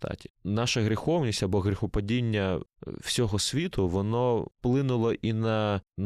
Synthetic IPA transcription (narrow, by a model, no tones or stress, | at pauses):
t̪ɑ̰tʲi̥nɑʃɐɣɾʲɪxɔwnʲisʲtʲɐbɔɣɾʲɪxʊpɐdʲinʲːɐwsʲɔɦɔsʲʋʲit̪ʊʋɔnɔplˠɪnʊlˠɔʔinɐn